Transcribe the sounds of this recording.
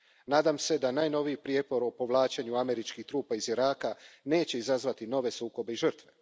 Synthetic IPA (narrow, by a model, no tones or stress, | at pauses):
naːd̪amse̞d̪anaːjno̞ʋijipɾijepo̞ɾo̞po̞ʋlˠaːt͡ɕeɲuame̞ɾit͡ʃkixt̪ɾuːpaiziɾaːkane̞ːt͡ɕe̞izazʋat̪ino̞ʋe̞suːko̞be̞iʒər̩t̪ʋe